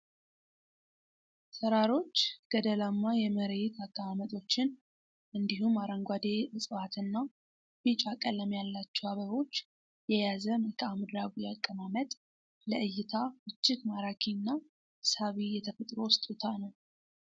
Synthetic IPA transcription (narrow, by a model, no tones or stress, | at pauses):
səɾaɾo̞t͡ʃːɡ̥əd̪əlamːajɛməɾet̪akʼːəmamət̪ʼo̞t͡ʃːɪn | ʔɨnd̪iɦumaɾaŋɡʷad̪e̞ʔɨsʼɨfat̪ʰɨnːa | bit͡ʃʼakʼələmjalːat͡ʃːɛaβəβo̞t͡ʃː | jɛjazəməlkʰʼamɨd̪ɾaɡujakʼːəmamət̪ʼ | ləɨjːɪt̪ʰabɨt͡ʃːɪkmaɾakʰinːa | saβijɛt̪ʰəfət̪ʼɾo̞wʊst̪ʼut̪ʰanəw